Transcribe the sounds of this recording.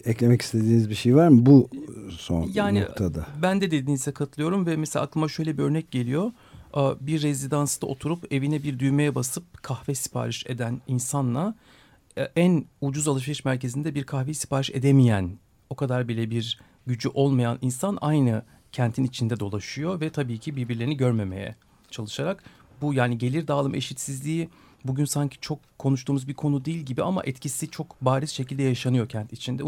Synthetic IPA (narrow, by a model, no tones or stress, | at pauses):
ɛclʲemɛci̥st̪ʰed̪iːnizbiʃejvaɾmbuso̰njaːnḭkt̪ʰad̪abænd̪ɛd̪e̞d̪iːnizɛkʰat̪ʰlˠɯjo̞ɾumvɛmɛselaklˠɯmaʃø̞jlʲebiø̞ɾnɛc̚ɟe̞lʲijo̞ | biɾːezid̪ansd̪aʔot̪ʰuɾupe̞vinɛbiɾd̪yjmejɛbasɯp̚kʰaxvɛsi̥pʰa̰ːɾɯʃe̞̰d̪æninsanlˠa | ænud͡ʒuzalˠaʃiɾɯʃmæɾcʰe̞zind̪ɛbiɾkʰaxvejisi̥paːɾiʃe̞d̪emijæn | o̞kʰad̪aɾbilʲɛbiɾ | ɟyd͡ʒyʔo̞lˠmajanʔinsanajnɯ | cʰɛnt̪ʰinit͡ʃʰind̪ɛd̪o̞lˠaʃɯjo̞vɛt̪ʰabiːcʰibiɾbiɾlʲeiniɟø̞ɾme̞me̞̰jɛ̰ | t͡ʃʰalˠɯʃaɾak | bujaːniɟe̞lʲiɾd̪aːlˠɯmeʃit̪sizlʲiː | buɟynsaɲcʰi̥t͡ʃʰo̞kʰːo̞nuʃt̪uːmuzbiɾkʰo̞nud̪ijːlʲɟibiama̰ʔɛt̪cʰisit͡ʃʰo̞kbaːɾizʃecʰilʲd̪ɛjaʃanɯjo̞cʰænt̪ʰit͡ʃʰind̪ɛ